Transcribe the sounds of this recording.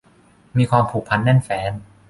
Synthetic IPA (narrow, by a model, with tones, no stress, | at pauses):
miː˧kʰwaː˧mpʰuː˨˩k̚pʰa˧nːɛ˥˩nfɛː˩˦n